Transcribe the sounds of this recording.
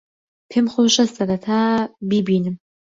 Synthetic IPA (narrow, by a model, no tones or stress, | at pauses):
pʰemχʷʊɕʼɐstʼɐdɐtʰaːbibiːnɨm